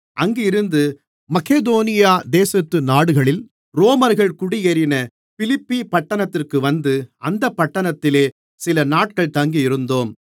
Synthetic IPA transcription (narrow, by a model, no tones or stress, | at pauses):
ʔɐŋɡɪɪɾɯnd̪ɯ | mɐkeːd̪oːnɪjaːd̪eːsɐt̪ːɯnaːɽɯɣɐɭɪl | ɾoːmɐɾɣɐɭkʊɽɪjɛɾɪnɐ | fɪlɪpːipɐʈːɐnɐt̪ːɪrkɯʋɐnd̪ɯɐnd̪ɐpːɐʈːɐɳɐt̪ːɪleː | sɪlɐnaːʈ̚kɐɭt̪ɐŋɡiɪɾɯnd̪oːm